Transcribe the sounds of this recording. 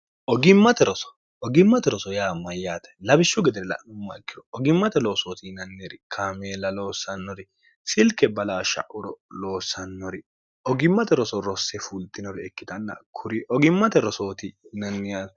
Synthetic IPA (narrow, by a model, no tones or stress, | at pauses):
ʔɔɡɪmːɐt̪ɛɾɔsɔ̥ | ɔɡɪmːɐt̪ɛɾɔsɔjaːmɐjːaːt̪ɛ̥lɐbɪʃːʊɡɛd̪ɛɾɛlɐ̰ʔnʊmːɐ̰ɛkːɪɾɔɔɡɪmːɐt̪ɛlo̞ːsoːt̪inɐnːeɾɪkʰaːmeːlɐloːsːɐnːɔɾɪ | sɪlkɛbɐlaːʃɐ̰ʔʊɾɔlo̞ːsɐnːɔɾɪ | ɔɡɪmːɐt̪ɛɾɔsɔɾɔsːɛfult̪ʼɪnɔɾɪɛkːɪt̪ɐnːɐ̰kʰʊɾiʔɔɡɪmːɐt̪ɛɾɔso̞ːt̪inɐnːɪja